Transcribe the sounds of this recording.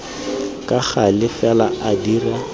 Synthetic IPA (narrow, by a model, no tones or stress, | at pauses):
kʼaχalɪfɛlaʔadira